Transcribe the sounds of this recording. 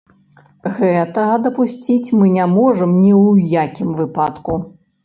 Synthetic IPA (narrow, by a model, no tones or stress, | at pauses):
ɣɛt̪ɐɣɐd̪ɐpusʲt͡sʲit͡sʲmɨnʲɛmɔʐɐmnʲiwjakʲimvɨpat̪ku